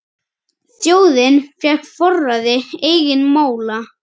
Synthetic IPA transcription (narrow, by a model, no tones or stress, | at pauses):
θjoːwðɪnfjɛkfɔrːaðɪeːjɣɪnmoːwla